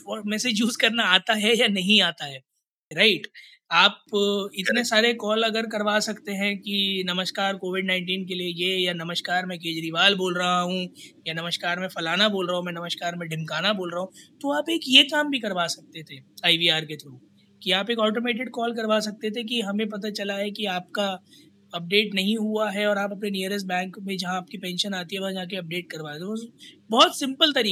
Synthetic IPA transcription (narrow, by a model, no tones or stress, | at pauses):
ɔmɛːsed͡ʒjuːzkɐɾnaaːt̪aɦɛjanɐɦĩaːt̪aɦɛː | ɾaɪʈ | aːp̚ɪt̪nesaːɾekɔːlɐɡəɾk̬ɐɾʋaːsɐkt̪eɦɛ̃kinɐməʃkaːɾkoːʋɪɖnãːɪ̃ɳʈiːnk̬eliejejanɐməʃkaːɾmɛ̃k̬eːd͡ʒɾiʋaːlboːlɾɐɦaɦũjanɐməʃkaːɾmẽfɐlaːnaboːlɾɐɦõmɛ̃ːnɐməʃkaːɾmẽɖʱɪ̃mkaːnaboːlɾɐɦũt̪oaːpeːkjekaːmbʱikɐɾʋaːsɐk̚t̪et̪ʰeːaːiʋiːaːɾket̪ʰɾoː | kiaːpeːkɔːʈomeːʈ̬ɪɖkɔːlkɐɾʋaːsɐk̚t̪et̪ʰek̬iɦɐmẽp̬ɐt̪̬at͡ʃɐlaɦɛkiaːp̚ka | ɐp̚ɖeːʈnɐɦĩɦuaɦɛɔːɾaːpɐpneniəɾəs̬ʈ̚bɛ̃ːŋkmẽd͡ʒɐɦãːp̚kipɛ̃ːnʃənaːt̪iɦɛʋɐɦãd͡ʒaːk̬eɐp̚ɖeːʈ̚kɐɾʋaːt̪et̪ʰebɔːɔt̪sɪ̃mpəlt̪ɐɾi